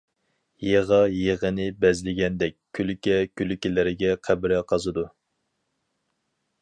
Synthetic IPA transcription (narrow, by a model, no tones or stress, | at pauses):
jeʁɑjeʁənɪbɛzlɪɡʲɛnd̪ɛk̚ʲkʲʰːylykʲɛkʲʰylykʲilɪɾɪɡʲɛqʰæbɪɾɛqʰɑzɨd̪u